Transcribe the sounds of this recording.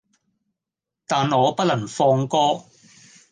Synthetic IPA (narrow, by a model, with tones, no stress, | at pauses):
t̪aː˨nŋɔː˨˧pɐ˥lɐ˨˩ŋfɔː˧ŋkɔː˥